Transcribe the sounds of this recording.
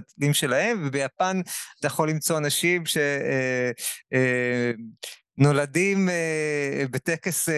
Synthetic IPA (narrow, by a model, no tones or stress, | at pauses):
tlimʃe̞lahe̞mvebejapanatajaχo̞lːimt͡so̞anaʃimʃe̞e | no̞ladimebetekes